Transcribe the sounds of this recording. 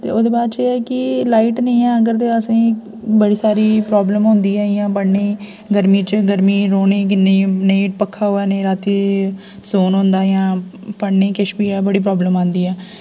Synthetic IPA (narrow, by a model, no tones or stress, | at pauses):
t̪ḛːod̪eːbaːd̪t͡ʃeːɛːkɪlaːiːʈnəĩːɛ̃ːəɡəɾt̪eːəsĩː | bəɽiːsaːɾiːpɾɔːbləmɦʊ̃nd̪iːɛːjãːpəɽneː | ɡəɾmiːt͡ʃəɡəɾmiːɾoːneːkɪnəĩːneĩːʈpəkʰːaːɦoːɛːnẽːɾaːt̪iː | soːnɦõːnd̪aːjãː | pəɽnẽːkɪʃbiːɛːbəɽiːpɾɔːbləmãːnd̪iːɛː